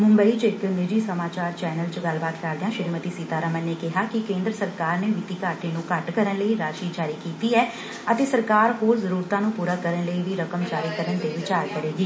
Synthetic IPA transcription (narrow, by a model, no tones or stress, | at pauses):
mʊ̃mbəiːt͡ʃɪknɪd͡ʒiːsəmaːt͡ʃaːɾt͡ʃɛːnəlt͡ʃəɡəlbaːt̪kəɾd̪eãːʃɪɾmət̪iːsiːt̪aːɾəmənneːkɪɦaːkɪkẽːnd̪ɾəsəɾkaːɾneːʋɪt̪iːkaːʈeːnũːkəʈkəɾənləiːɾaːʃiːd͡ʒaːɾiːkiːt̪iːɛː | ət̪eːsəɾkaːɾɦoːɾzəɾuːɾt̪ãːnũːpuːɾaːkəɾənləiːʋiːɾəkəmd͡ʒaːɾiːkəɾənd̪eːʋɪt͡ʃaːɾkəɾeːɡiː